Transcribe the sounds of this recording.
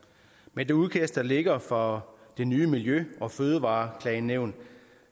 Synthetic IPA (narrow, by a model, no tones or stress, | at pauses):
mend̥euð̞ˠkʰæsd̥ɐle̝ɡ̥ɐfɒd̥e̝nyːəmiljøɒ̽føːð̞ˠəʋɑ̈ːkʰlɛɪnːeʊ̰n